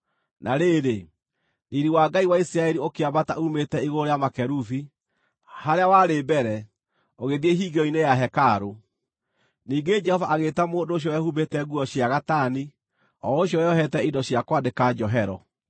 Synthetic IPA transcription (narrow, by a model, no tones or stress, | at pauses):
nʔaɾeːɾe | iɾiwaːɡaiwaisiɾaɛɾiokeabataumetɛiɣoɾojamakɛɾufi | haɾeawaɾebɛɾɛ | oɣeðieɦiɡeɔinejaɦɛkaɾo | niːɡed͡ʒɛhɔvaʔːɣetamoːndooɕ̬jɔwɛhubetɛɣuɔɕjaɣatani | ɔoɕjɔwɛɔɦɛtɛidɔɕjakwadekad͡ʒɔɦɛɾɔ̰